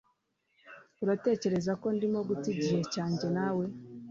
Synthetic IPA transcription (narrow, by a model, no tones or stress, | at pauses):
uɾate̞ːce̞ɾe̞zako̞ndimo̞ɡutiɟiɾecaːɲɟe̞naːwe̞